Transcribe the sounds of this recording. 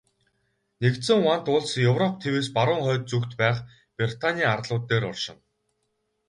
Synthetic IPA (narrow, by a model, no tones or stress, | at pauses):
nekt̪sɘ̆ŋwan̥t̪ʊɮsjɵwrɔp̚t̪ʰeweːspaɾʊːŋχœːt̪̚t͡sukt̪pæːχ | prʲir̥t̪ʰanʲiːarɮʊːt̪ːeːɾɔrʃɪ̆n